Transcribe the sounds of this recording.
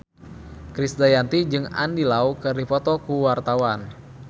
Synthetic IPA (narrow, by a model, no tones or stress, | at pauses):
kɾisdajant̪id͡ʒɨŋa̰ndilaukɨrdipɔt̪ɔkuwart̪awan